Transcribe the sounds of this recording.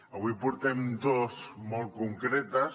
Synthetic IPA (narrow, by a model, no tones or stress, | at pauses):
aβuipuɾt̪emd̪osmolˠkuŋkɾet̪a